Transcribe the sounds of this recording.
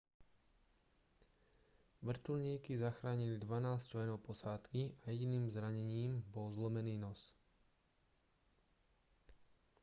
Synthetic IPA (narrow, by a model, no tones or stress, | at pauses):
ʋr̩t̪ulɲiːkizaxɾaːɲilid̪ʋanaːst͡ʃlɛnɔʊpɔsaːt̪kiajɛɟiniːmzɾaɲɛɲiːmbɔlzlɔmɛniːnɔs